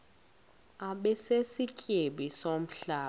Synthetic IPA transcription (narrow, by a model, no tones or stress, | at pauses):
aɓɛsesicʼeɓisom̩ɬaː